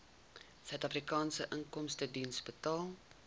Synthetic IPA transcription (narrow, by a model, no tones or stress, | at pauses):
sœɥtɐfrikɑːnsəʔəŋkɔmstədinsbətɑːlˠ